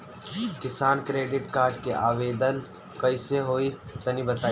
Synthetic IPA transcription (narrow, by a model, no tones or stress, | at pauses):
kɪsaːnkɾeːɖɪʈkaːɾɖkeʔaːʋeːd̪ən | kɐiseɦoːit̪ɐnibɐt̪aː